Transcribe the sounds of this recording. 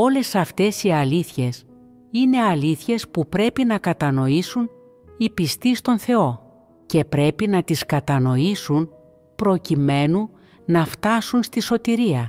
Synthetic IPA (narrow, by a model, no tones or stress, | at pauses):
o̞le̞sɐft̪e̞siɐliθçe̞s | ine̞ɐliθçe̞spupɾe̞pinɐkɐt̪ɐno̞isun | ipist̪ist̪o̞nθe̞o̞ | ce̞pɾe̞pinɐt̪iskɐt̪ɐno̞isun | pɾo̞cime̞nu | nɐft̪ɐsunst̪iso̞t̪iɾiɐ